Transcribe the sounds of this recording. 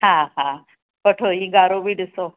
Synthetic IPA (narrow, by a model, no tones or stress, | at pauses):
ɦãɦa | pəʈʰoĩɡaɾoʋiɽso